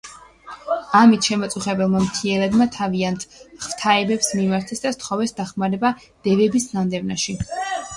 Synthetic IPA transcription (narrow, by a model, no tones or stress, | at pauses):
amit̪ʰʃɛmɔt̪sʼuχɛbɛlˠmamt̪ʰiɛɾad̪mat̪ʰaviant̪ʰχv̥t̪ʰaɛbɛpsmimaɾt̪ʰɛsd̪ast̪ʰχɔvɛsd̪aχmaɾɛba | d̪̥ɛvɛbisnand̪ɛvnaʃi